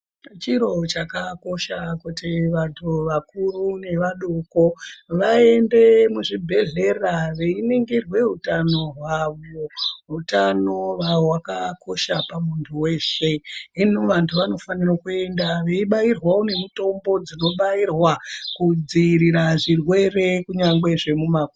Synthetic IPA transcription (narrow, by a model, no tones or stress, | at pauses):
t͡ʃiɾo̞t͡ʃakako̞ʃakutiʋantʰuʋakurune̞ʋaɗoko̞ʋae̞ndemuʐibʱe̞ɮe̞raʋe̞ineŋɡerwe̞ɦutano̞ɦwaʋoɦutano̞ʋaowakako̞ʃapamuntʰuwe̞ːʃe̞inoʋantʰuʋano̞fanirokue̞ndaʋeiɓairwawone̞mito̞mbo̞d͡zino̞ɓairwakud͡ziːɾiɾaʐirwe̞re̞kuɲaŋɡwe̞ʐe̞mumaku